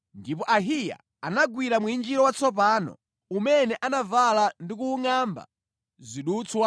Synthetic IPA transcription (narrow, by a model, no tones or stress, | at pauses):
ndip̬ɔʔaɦija̰ | anaɡwiɾamwuind͡ʒiɾɔwat͡sʰɔp̬aːnɔ̰ | umɛnɛʔanavalandikuːŋamba̰ | ziɗut͡swa